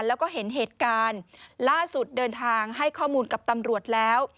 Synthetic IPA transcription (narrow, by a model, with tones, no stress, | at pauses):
lɛː˦˥wkɔː˥˩ɦe˩˦nɦeː˨˩t̪̚kaː˧nlaː˥˩su˨˩t̪̚dɤː˧nt̪ʰaː˧ŋɦa˥˩jkʰɔː˥˩muː˧nka˨˩p̚t̪a˧mɾu˨˩ət̪̚lɛː˦˥w